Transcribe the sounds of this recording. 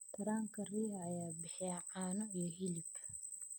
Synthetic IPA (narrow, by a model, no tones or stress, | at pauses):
t̪ʰɐɾaːŋkʰɐriːhɐɐjaːbɪħɛʕaːnɔijɔɦilɪb